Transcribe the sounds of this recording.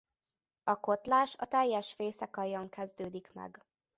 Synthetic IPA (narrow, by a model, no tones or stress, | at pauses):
ɒko̞t̪laːʃɒ̰t̪ɛjːɛʃfeːsɛkɒjɒŋkʰɛzd̪øːd̪ikmɛ̰ɡ